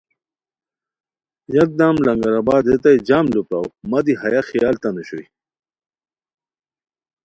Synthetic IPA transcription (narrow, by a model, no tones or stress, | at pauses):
jɐk̚d̪aːmlɐŋɡɐɾabaːd̪et̪ɐjd͡ʑaːmlupawmɐd̪ihɐjaxijaːlt̪ɐnuɕṵj